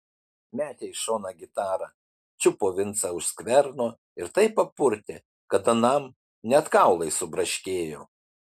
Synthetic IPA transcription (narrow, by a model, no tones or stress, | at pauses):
mʲæːt̪ʲɛɪʃoːnɐɡʲɪt̪ɑːɾɐ | t͡ʃʲʊpoːʋʲɪnt̪sɑʊʃskʋʲɛɾnoː | ɪɾt̪ɐɪpːɐpʊɾʲt̪ʲe | kɐt̪ɐnɐm | nʲɛt̪kɑˑʊlˠɐɪsʊbɾɐʃʲkʲeːjoː